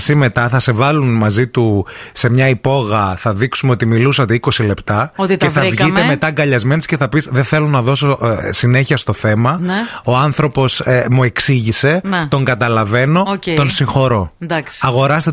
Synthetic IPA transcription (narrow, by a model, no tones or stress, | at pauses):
sime̞t̪ɐθɐse̞vɐlunmɐzit̪use̞mɲɐipo̞ɣɐθɐðiksumeot̪imilusɐt̪eiko̞sile̞pt̪ɐot̪tevθɐvʝieme̞t̪ɐɡɐʎɐzme̞nesceθɐpisðeθe̞lo̞nɐðo̞so̞sine̞çiɐst̪o̞θe̞mɐnoɐnθɾo̞po̞smue̞ksiʝise̞nt̪o̞ŋɡɐt̪ɐlɐve̞no̞et̪o̞nsiŋxo̞ɾo̞d̪ɐksɐɣo̞ɾɐst̪e